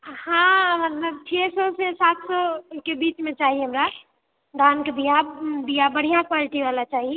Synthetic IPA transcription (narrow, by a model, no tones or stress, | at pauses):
hãmət̪ləb̚t͡ʃʰɛsɔsesat̪ʰsɔkebit͡ʃmet͡ʃaɦiɦəmɾa | d̪ʱankebijabijabəɽ̤ijãkwaliʈibalat͡ʃaɦi